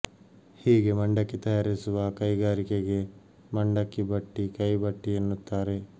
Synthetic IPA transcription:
hiːɡe̞mɐɳɖɐkːit̪ɐjaːɾisuʋɐkɐjɡaːɾikeɡe̞ | mɐɳɖɐkːibɐʈːikɐjbɐʈːienːut̪ːaːɾe̞

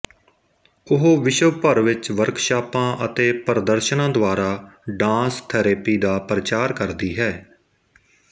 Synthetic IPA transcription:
ʊɦoːʋɪʃəpəɾʋɪt͡ʃʋəɾkʰʃaːpãːʔət̪eːpəɾəd̪əɾʃnãːd̪ʊaːɾaːɖãːst̪ʰɛːɾeːpiːd̪aːpɾət͡ʃaːɾkəɾd̪iːɦɛː

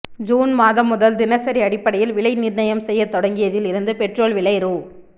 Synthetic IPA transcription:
d͡ʒuːnmaːðɐmːʊðɐld̪ɪnɐsɐɾiɐɽɪpːɐɽɐjɪlʋɪɭɐɪnɪɾnɐjɐmsɛjːɐt̪ɔɽɐŋɡɪjɐðɪlɪɾɯnd̪ɯpɛʈroːlʋɪɭɐɪɾuː

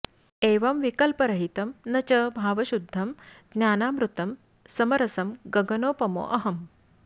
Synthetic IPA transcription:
eːʋɐmʋikɐlpɐɾɐɦit̪ɐmnɐt͡ɕɐbʱaːʋɐɕud̪ʱːɐmd̪njaːnaːmɾut̪ɐm | sɐmɐɾɐsɐmɡɐɡɐnoːpɐmo̰ːʔɐɦɐm

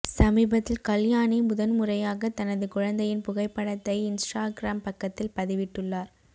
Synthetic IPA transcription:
sɐmiːbɐt̪ːɪlkɐljaːnimʊðɐnmʊrɐjaːɣɐt̪ɐnɐðɯkʊɻɐnd̪ɐjɪnpʊɣɐɪpːɐɳɐt̪ːɐɪɪnsʈaːɡɪɾaːmpɐkːɐt̪ːɪlpɐðɪʋɪʈːɯɭːaːɾ

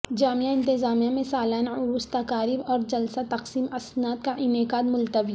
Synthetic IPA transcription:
d͡ʒaːmijaɪ̃nt̪ɪzaːmijamẽsaːlaːnaʊɾuːst̪akaːɾɪbɔːɾd͡ʒɐlsat̪ɐqsiːmɐsnaːt̪̚kaʔɪnekaːd̪mʊlt̪əwi

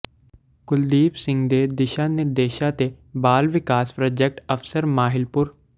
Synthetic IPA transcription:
kʊld̪iːpsɪ̃ŋɡd̪eːd̪ɪʃaːnɪɾd̪eːʃãt̪e | baːlʋɪkaːspɾaːd͡ʒek̚ʈəfsəɾmaːɦɪlpʊɾ

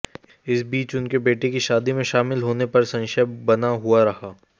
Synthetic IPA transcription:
ɪsbiːt͡ʃʊnkebeːʈekiʃaːd̪imẽʃaːmɪlɦoːnepɐɾsɐ̃nʃəbɐnaɦuaɾɐhaː

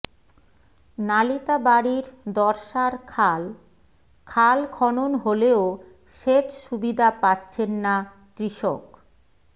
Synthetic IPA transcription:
nalit̪abaɽiɾd̪ɔɾʃaɾʰl | kʰalkʰɔnonɦoleo | ʃet͡ɕʃubid̪ʱapatːɕʰenːa | kɾiʃok

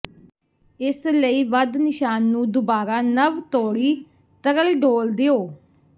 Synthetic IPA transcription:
ɪsləiːʋəd̪nɪʃaːnːũːd̪ʊbaːɾaːnəʋt̪oːɽiː | t̪əɾəlɖoːld̪eoː

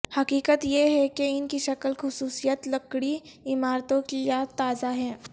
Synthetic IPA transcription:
hɐkiːkət̪jeɦɛkeɪnkiʃɐkəlxʊsuːsijət̪ləkɽiɪmaːɾt̪õkijat̪ːaːzaɦɛː

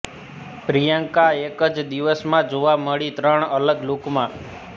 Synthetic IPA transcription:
pɾijəŋkaekəd͡ʒd̪iʋəsmãd͡ʒoʋaməɭit̪ɾəɳələɡlokmã

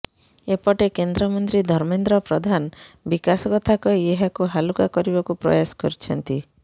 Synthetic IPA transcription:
epɔʈekend̪ɾɔmɔnt̪ɾid̪ʱɔɾmend̪ɾɔpɾɔd̪ʱanɔbikasɔkɔt̪ʰakɔieɦakuɦalukakɔɾibɔkupɾɔ̰jasɔ̥kɔɾit͡ʃʰɔnt̪i

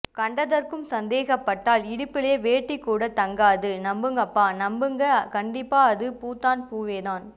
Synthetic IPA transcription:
kɐɳɖɐðɐrkɯmsɐnd̪eːɣɐpːɐʈːaːlɪɽɯpːɪleːʋeːʈːikːuːɽɐt̪ɐŋɡaːðɯnɐmbɯŋɡɐpːaːnɐmbɯŋɡɐkɐɳɖɪpːaːɐðɯpuːt̪ːaːnpuːʋeːðaːn

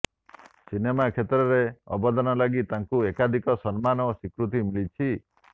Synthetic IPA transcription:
sinemakʰet̪ɾɔɾeɔ̰bɔd̪ɔnɔlaɡit̪aŋkuekad̪ʱikɔsɔnmanɔsikɾut̪̬imilit͡ʃʰi

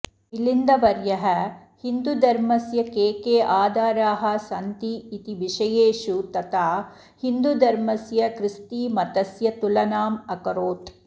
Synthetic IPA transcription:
ilind̪ɐʋɐɾjɐɦɐ | hind̪ud̪ʱɐɾmɐsjɐkeːkeːʔaːd̪ʱaːɾaːɦɐ̆sɐnt̪iːt̪iʋiʃɐjeːʃut̪ɐt̪aː | hind̪ud̪ʱɐɾmɐsjɐkɾɪst̪iːmɐt̪ɐsjɐt̪ulɐnaːmɐkɐɾoːt̪

